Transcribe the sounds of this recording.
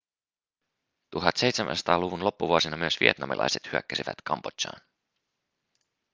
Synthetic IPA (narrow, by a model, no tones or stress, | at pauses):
t̪uɦɑt̪se̞jt̪semʔæ̰nsɑ̥t̪ɑːluʋunlo̞pːuʋuosinɑmyøsʋḭe̞t̪nɑmḭlʔɑ̰jset̪hyæ̰kːæsiʋæ̰t̪kɑmb̥otɑ̰ːn